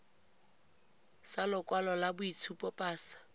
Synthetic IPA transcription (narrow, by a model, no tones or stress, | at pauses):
salʊkʼwalɔlabʊit͡sʰupʼɔpʼaːsḁ